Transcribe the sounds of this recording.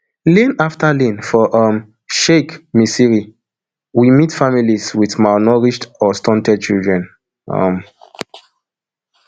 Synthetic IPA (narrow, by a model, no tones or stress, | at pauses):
lĩnaftalĩnfɔʔʌm | ʃekmisiɹi | wimitfamiliswiθmanɔɹiʃtɔstɔ̃ntɛd̚t͡ʃildɹɛ̃n | ʌ̰m